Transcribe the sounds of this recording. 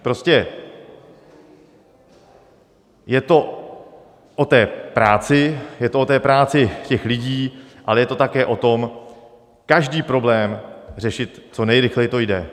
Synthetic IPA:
pɾo̞scɛ | jɛt̪o̞ | ʔot̪ɛːpɾaːt͡sɪjɛt̪oʔot̪ɛːpɾaːt͡sɪcɛxlɪɟiːʔalɛjɛt̪o̞t̪akɛːʔo̞t̪o̞m | kaʒdiːpɾo̞blɛːmr̝ɛʃɪt̪t͡so̞nɛjɾɪxlɛjɪt̪o̞jdɛ

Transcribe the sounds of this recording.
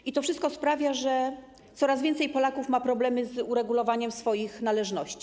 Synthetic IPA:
it̪ɔfʂɘst̪̚kɔspɾavʲjaʐɛ | t̪sɔɾazvʲjɛnt̪sɛjpɔlakufmapɾɔblɛmɘzuɾɛɡulɔvaɲɛmsfɔjixnalɛʐnɔɕt͡ɕi̥

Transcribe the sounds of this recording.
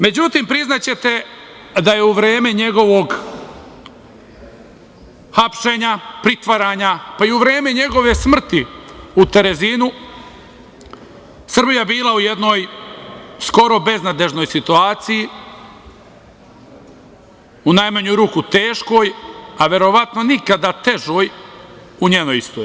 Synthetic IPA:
me̞d͡ʑut̪impɾiznat͡ɕe̞t̪e̞ | d̪aje̞uʋɾeːme̞ɲe̞ɡo̞ʋo̞ɡ | xapʃe̞ɲapɾit̪ʋaɾaɲapaiuʋɾe̞ːmeɲe̞ɡo̞ʋe̞smr̩t̪iut̪e̞ɾe̞zinu | sr̩bijabiːlˠauje̞d̪no̞ːj | sko̞ɾo̞be̞znad̪e̞ʒno̞jsit̪uaːt̪siji | unajmaɲujɾuːkut̪e̞ːʃko̞jaʋe̞ɾo̞ʋat̪no̞nikad̪at̪e̞ʒoːj | uɲeːnojist̪oːi

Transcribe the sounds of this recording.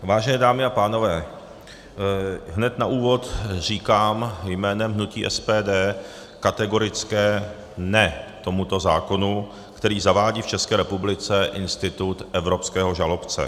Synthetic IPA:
vaːʒɛnɛːdaːmɪapaːno̞vɛː | ɦnɛt̪naʔuːvo̞t̪r̝iːkaːmjmɛːnɛmɦnucḭːʔɛspɛːdɛː | kat̪ɛɡo̞ɾɪt͡skɛː | nɛt̪o̞mut̪o̞zaːko̞nu | kt̪ɛɾiːzavaːɟiːft͡ʃɛskɛːɾɛpublɪt͡sɛʔɪnst̪ɪt̪ut̪ʔɛvɾo̞pskɛːɦo̞ʒalo̞pt͡sɛ̰

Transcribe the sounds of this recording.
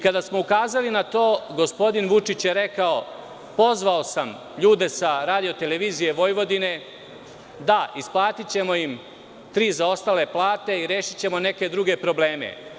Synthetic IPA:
ikad̪asmoukaːzalinat̪o̞ːɡo̞spo̞d̪inʋut͡ʂit͡ɕjeɾe̞kao | po̞zʋaosam | ʎuːd̪e̞saɾaːd̪ijo̞t̪ele̞ʋiːzije̞ʋo̞jʋo̞d̪ine̞ | d̪aisplˠaːt̪it͡ɕe̞mo̞jim | t̪ɾiːzao̞st̪aːle̞plˠaːt̪e̞iɾe̞ːʃit͡ɕe̞mo̞ne̞ke̞d̪ɾuɡe̞pɾo̞ble̞ːme̞̰

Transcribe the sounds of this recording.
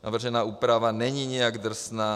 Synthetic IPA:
na̰vr̩ʒɛnaːuːpɾavanɛɲiɲɛjaɡd̪r̩snaː

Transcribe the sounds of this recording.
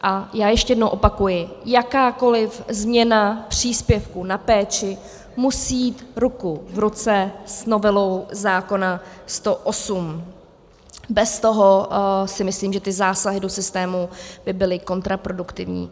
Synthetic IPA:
ʔajaːjɛʃcɛjɛdnowʔo̞pakujɪjakaːko̞lɪfzmɲɛnapr̝̥iːspjɛfkunapɛːt͡ʃɪ | musijiːt̪ɾukuvɾut͡sɛsno̞vɛlo̞wzaːko̞nast̪o̞ʔosum | bɛst̪o̞ɦo̞sɪmɪsliːmʒɛt̪ɪzaːsaɦɪdo̞sɪst̪ɛːmubɪbɪlɪko̞nt̪ɾapɾo̞dukt̪ɪvɲḭː

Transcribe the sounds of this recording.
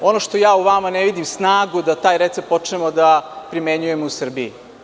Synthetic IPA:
o̞no̞ʃt̪o̞jaːuʋamaneʋid̪imsnaːɡud̪at̪aːjɾet̪sep̚po̞t͡ʂnemod̪apɾimeɲuje̞mousr̩bijḭ

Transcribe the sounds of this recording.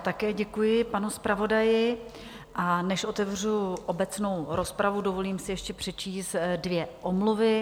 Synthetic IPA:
t̪akɛːɟɛkujɪpanuspɾavo̞dajɪ | ʔanɛʃʔo̞t̪ɛvr̝uʔo̞bɛt͡sno̞wɾo̞spɾavudo̞vo̞liːmsɪjɛʃcɛpr̝̥ɛt͡ʃiːst̪dvjɛʔomluvɪ

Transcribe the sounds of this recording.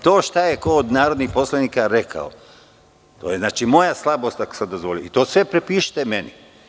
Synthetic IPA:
t̪oːʃt̪ajekoːd̪naːɾod̪nixpo̞slˠaniːkaɾekʰa̰o̰ | t̪oːjeznaːt͡ʃimo̞jaslˠabo̞st̪ako̥sad̪ozʋolioit̪oːsʋe̞pɾepiːʃi̥t̪emenḭ

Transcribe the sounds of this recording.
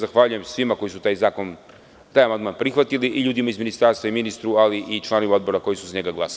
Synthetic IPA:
zaxʋaʎuje̞msʋimako̞jisut̪ajzaːkon | t̪aːjamand̪maːnpɾixʋat̪iliʔiʎuːd̪imaizminist̪aɾst̪ʋaiminist̪ɾualiʔit͡ʃlˠaːnoʋimao̞d̪bo̞ɾako̞jisuzaɲeɡaɡlˠasai

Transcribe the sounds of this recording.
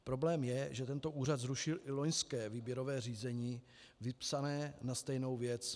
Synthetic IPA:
pɾo̞blɛːmjɛʒɛt̪ɛnt̪o̞ʔuːrat̪zɾuʃɪlʔɪlo̞ɲskɛːviːbjɛɾo̞vɛːr̝iːzɛɲiː | vɪpsanɛːnast̪ɛjno̞wvjɛt͡s

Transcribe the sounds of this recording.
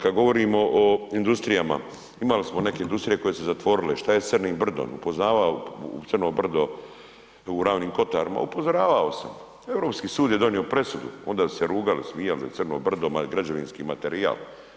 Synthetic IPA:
kad̪ɡo̞ʋo̞ɾiːmoʔoind̪ust̪ɾijama̰ | imalismone̞ke̞ind̪ust̪ɾije̞ko̞jesezat̪ʋo̞ɾileʃt̪ajet̪sɨrniːmbr̩d̪o̰ːnupo̞znaːʋaot̪ɨrnobr̩d̪o | uɾaːʋniːmko̞t̪aːɾima̰upo̞zo̞ɾaːʋaosam | e̞vɾo̞ːpskiːsuːd̪jed̪o̞nio̞pɾe̞sud̪ṵo̞̰nd̪aːsu̥seɾuːɡalismiːjalza̰t̪sɨrno̰ːbr̩d̪omaɡɾad͡ʑaʋinskiːmat̪eɾia̰ːl

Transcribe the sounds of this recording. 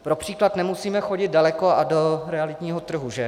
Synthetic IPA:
pɾopr̝̥iːklat̪nɛmusiːmɛxoɟɪd̪̚dalɛko̞adoɾɛalɪt̪ɲiːɦot̪r̩ɦuʒɛ

